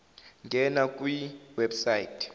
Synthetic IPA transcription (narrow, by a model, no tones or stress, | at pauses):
ŋɡʱɛnakʼwiwɛbsajitʰʼ